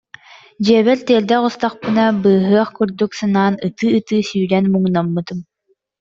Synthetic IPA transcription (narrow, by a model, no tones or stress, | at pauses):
d͡ʑiɛβɛɾt̪eɛɾd̪ɛqust̪aχpɯnabɯːɦɯɐχkuɾd̪uksanaːnɯt̪ɯːt̪ɯːsyːɾɛnmuŋnamːɯt̪ɯm